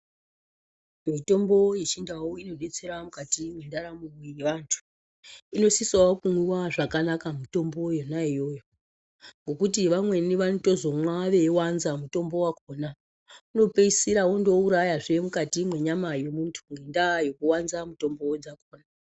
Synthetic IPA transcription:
mito̞mbo̞jet͡ʃindawoino̞ɗet͡se̞ɾamukatimwe̞ndaɾamuiʋantʰu̥ | ino̞sisaokumwiwaʐakanakamito̞mbo̞jonaijo̞ːjo | ŋɡo̞kutiʋamwe̞niʋanito̞zo̞mwaʋe̞wanzamuto̞mbo̞wakoːna | uno̞pe̞isiɾaondo̞uɾajaʐe̞mukatimwe̞ɲamajo̞muntʰuŋɡendajo̞kuwanzamuto̞mbo̞d͡zakoːna

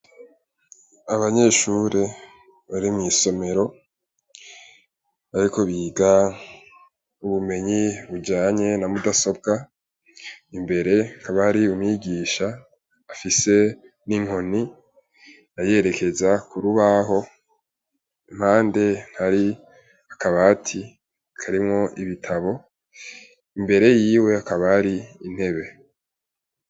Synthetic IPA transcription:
aβaɲe̞ːʃuːɾe | βaɾimŋiːso̞me̞ɾo̞ | aɾiko̞βiːɡa | uβume̞ɲiβud͡ʒaːɲe̞namudaso̞b̚ɡa | imbe̞ɾe̞ŋ̥aβaɾiumɲiɡiːʃaː | fise̞ | niŋo̞ni | naje̞ɾe̞kʰe̞zakuɾuβaɦo̞ | m̥haːnde̞n̥haɾi | akaβaːtʰi | kʰaɾimŋo̞ʔiβitʰaβo̞ | imbe̞ɾe̞jiːwe̞akaβaːɾiin̥he̞βe̞

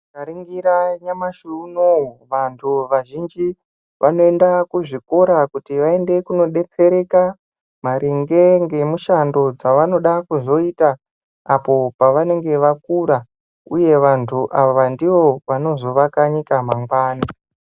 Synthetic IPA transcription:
aɾiŋɡiɾaɲamaʃunoʋantʰuʋaʒind͡ʒi | ʋʔano̞e̞ndakuʐiko̞ɾakutiʋae̞nde̞kuno̞ɗe̞t͡se̞ɾe̞ka | maɾiŋɡe̞ŋɡe̞muʃando̞d͡zaʋano̞ɗakuzo̞itaː | po̞paʋane̞ŋɡe̞ʋakuɾa | uje̞ʋantʰuʔaʋandiʋo̞ʋano̞zo̞ʋakaɲikamaŋɡwaːni

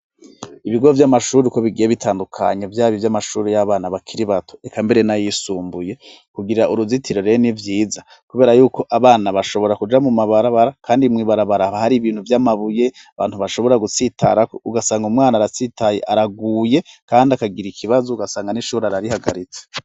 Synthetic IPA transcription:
iβiɡo̞vjamaʃuːɾeko̞βiɡijeβitʰaːndukʰa̰ɲevjaːβivjamaʃuːɾejaβaːnaβakʰiɾiβatʰo̞̥ekambe̞ɾe̞najisuːmbuje̞ | kuɡiɾaʔuɾuzitʰiɾo̞ɾenivjiːza | kuβe̞ːɾajuːko̞ʔaβaːnaβaʃo̞βo̞ɾakud͡ʒamumaβaɾaβaɾakʰaːndimŋiːβaɾaβaɾaβahaɾiβiːn̥huvjamaβuje̞ | aβaːnhuβaʃo̞βo̞ɾaɡut͡sita̰ɾakouɡasaːŋɡumŋaːnaɾat͡sitʰajḛʔaɾaɡuːje̞kaːndiakaɡiɾikʰiβazouɡasaːŋɡaniʃuːɾeaɾaɾihaɡaɾit͡se̥

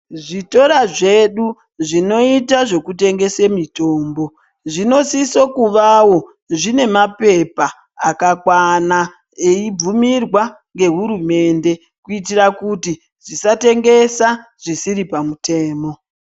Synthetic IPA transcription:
ʐito̞ɾaʐe̞ɗu | ʐino̞itaʐe̞kute̞ŋɡe̞semito̞ːmbo̞ | ʐino̞siso̞kuʋawo̞ | ʐine̞mape̞paː | kakwana | eib͡vumirwa | ŋɡe̞ɦuɾume̞nde̞ | kuitirakuti | ʐisate̞ŋɡe̞saʐ̥isiɾipamute̞ːmo̞

